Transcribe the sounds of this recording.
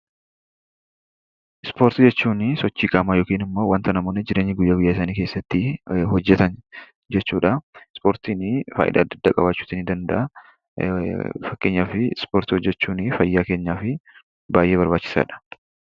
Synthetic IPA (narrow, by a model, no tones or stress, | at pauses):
ʔɪspo̞ːɾt̪ɪd͡ʒɛt͡ʃːuːnɪsɔt͡ʃːiːkʼaːmaːjoːkiːnɪmːo̞ːwɐnt̪ɐnɐmoːnɪd͡ʒɪɾe̞ːɲːɪɡʊjːaːɡʊjːaːɪs̬aːniːke̞ːsːɐt̪ːɪhɔd͡ʒːɛt̪ɐn | d͡ʒɛt͡ʃːuːᶑɐɪspo̞ːɾt̪iːnɪfa̰ːʔɪ̰d̪ɐ̰ːd̪ːɐd̪ːaːkʼɐbaːt͡ʃːu̥ːt̪iːnɪd̪ɐnd̪ɐ̰ʔɐ | fɐkːe̞ːɲːaːfɪspoːɾt̪ɪhɔd͡ʒːɛt͡ʃːuːnɪfɐjːaːke̞ːɲːaːfɪ | baːjʔe̞ːbɐɾbaːt͡ʃːɪ̥sa̰ːᶑɐ̥